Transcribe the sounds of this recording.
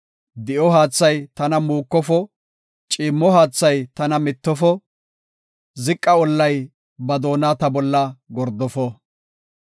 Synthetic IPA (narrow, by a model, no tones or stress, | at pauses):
d̪ɪʔɔɦaːt͡sːɐjt̪ɐnɐmuːkːɔfɔ | t͡ʃʼɪiːmːɔɦaːt͡sːɐjt̪ɐnɐmɪt̪ːɔfɔ | zɪkʼːɐɔlːɐj | bɐd̪o̞ːnaːt̪ɐbɔlːɐɡɔɾd̪ɔfɔ